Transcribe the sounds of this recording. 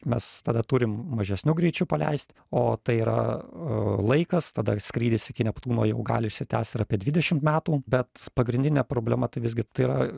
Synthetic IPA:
mʲɛst̪ɐd̪ɐt̪ʊɾʲɪmmɐʒʲɛsʲnʲʊɡɾʲɛɪt͡ʃʲʊpɐlʲɛ̰ɪsʲt̪ʲ | oːt̪ɐɪiːɾɐ̰ | lˠɐɪkɐst̪ɐd̪ɐsʲkɾʲiːd̪ʲɪsɪkʲɪnʲɛpt̪uːnoːjɛʊɡɑ̰ːlʲɪɪʃʲsʲɪt̪ʲæːsʲt̪ɪɾɑːpʲiɛd̪ʲʋʲɪdʲɛʃʲɪmt̪mʲæːt̪uːbʲɛt̪pɐɡɾʲɪnʲd̪ʲɪnʲɛːpɾoːbʲlʲæmɐt̪ɐɪʋʲɪzɡʲɪt̪ɐɪiːɾɐ

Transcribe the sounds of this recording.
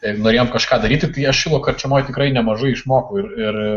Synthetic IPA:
ɛɪnoːɾeːjoːmkɐʃkɑːd̪ɐɾʲiːt̪ʲɪt̪ɐɪɐʃʃʲuːlˠoːkɐrʲt͡ʃʲɛmoːjt̪ʲɪkɾɐɪnʲɛmɐʒɐɪɪʃmoːkoːɪɾɪr

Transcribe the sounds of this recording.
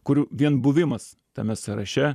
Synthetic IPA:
kʊɾʲʋʲiɛnbʊʋʲɪmɐs | t̪ɐmʲɛsɐɾɐ̰ʃʲɛ

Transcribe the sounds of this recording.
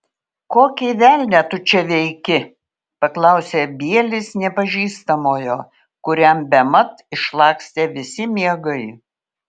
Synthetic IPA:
koːkʲɛʋʲæːlʲnʲɛt̪ʊt͡ʃʲɛʋʲɛɪkʲɪ | pɐklˠɐʊsʲeːbʲiɛlʲɪsnʲɛpɐʒʲiːst̪ɐmoːjoː | kʊɾʲɛmbʲɛmɐt̪ɪʃlˠɑːksʲt̪ʲeːʋʲɪsʲɪmʲiɛɡɐɪ

